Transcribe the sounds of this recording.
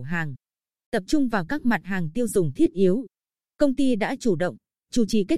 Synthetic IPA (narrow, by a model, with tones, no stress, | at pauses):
ɦaː˨˩ŋ | t̪ə˨˩p̚t͡ɕʊ˧ŋ͡mvaː˨˩wkaː˦˥k̚ma˨˩t̚ɦaː˨˩ŋt̪i˧əwzʊ˨˩ŋ͡mt̪ʰi˦˥ət̚ʔi˨˦əw | kə˧wŋ͡mt̪i˧ɗa̰ː˧˥t͡ɕu˧˩ɗə̰˧˨wŋ͡m | t͡ɕu˧˩t͡ɕi˨˩ka˦˥